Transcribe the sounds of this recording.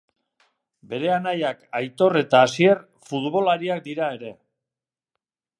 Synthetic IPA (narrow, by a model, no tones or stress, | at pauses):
be̞ɾe̞anajakajt̪o̞re̞t̪aːsie̞r | fut̪βo̞laɾiak̚d̪iɾae̞ɾe̞